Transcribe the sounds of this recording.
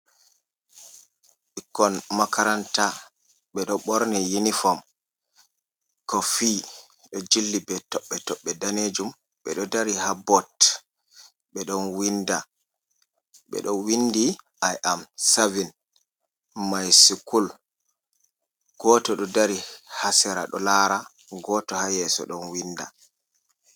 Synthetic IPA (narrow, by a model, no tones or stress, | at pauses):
ikːɔnmakʰaɾanta | ɓɛɗɔɓɔɾnijinifɔm | kɔfi | ɗɔd͡ʒilːibɛtɔɓːɛtɔɓːɛdaned͡ʒum | ɓɛɗɔdaɾihabɔt | ɓɛɗɔnwinda | ɓɛ̰ɗɔnwindiʔajʔamsavin | majsikul | ɡ̥ɔtɔɗɔdaɾihasɛɾa̰ɗɔ̰laːɾa | ɡɔtɔhajɛsɔ̰ɗɔnwinda̰